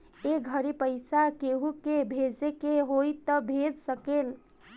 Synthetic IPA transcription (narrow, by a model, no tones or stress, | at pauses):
eɡʱəɾipəjsakeɦũkebʱed͡ʒekeɦojt̪əbʱed͡ʒsəkel